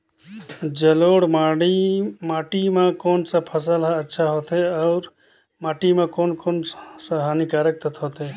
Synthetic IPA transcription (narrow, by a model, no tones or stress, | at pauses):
d͡ʒəloɽmaɽimaːʈimãkoːnsə̃pʰəsəlɦətːʃʰaɦoːt̪eɔʊɾ | maːʈimẽkoːnkoːnsəɦənikaɾək̚t̪ət̪ʰɦoːt̪ʰe